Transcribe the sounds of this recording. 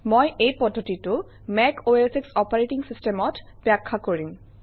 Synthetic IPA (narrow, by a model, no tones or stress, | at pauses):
mojejpɔdʱːotitʊ | mɛkoeseksɔpaɹeʈiŋsistemɔtb̥akʰːakoɹim